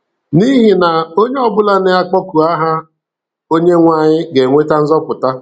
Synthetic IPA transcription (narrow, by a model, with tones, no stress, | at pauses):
ni˦ɦi˨na˨o˦ɲe˦ɔ˨bʊ˦la˦ne˦a˦k͡pɔ˦ku˨a˦ɦa˦ | o˦ɲe˦ŋʷa˦˨ɲɪ˦ɡe˨ŋʷe˦ta˦n̩˦zɔ˦pʊ˨ta˦